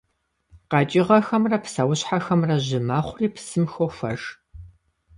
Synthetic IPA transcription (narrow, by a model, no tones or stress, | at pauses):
qɑt͡ʃʼɪʁɐxɐmrɐpʰsɐwʊɕħaxɐmrɐʑɪmaːχʷʊriːpʰsɨmxofʷɐ̰ʒ